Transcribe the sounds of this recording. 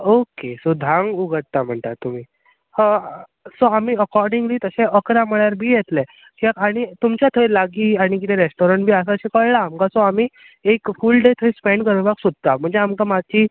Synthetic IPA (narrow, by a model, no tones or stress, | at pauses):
okesud̪ʱãŋɡuɡəɽ̚t̪am̤əɳt̪at̪um̤iː | hə | soamiːəkɔɾɖiŋɡliːt̪əseəkɾãm̤əɭjaɾbʱiːjet̪lɛ | kiakaɽ̃it̪umt͡ɕjat̪ʰəjlaɡiːaɽ̃ik̬it̪ɛ̃ɾesʈɔɾəɳʈbʱiːəs̬aɕẽkəɭlaːmkasoam̤iː | ekfulɖet̪ʰəispɛ̃ɳɖkəɾɳbaksud̪̚t̪am̤əɳd͡zeamkamad̚t͡ɕiː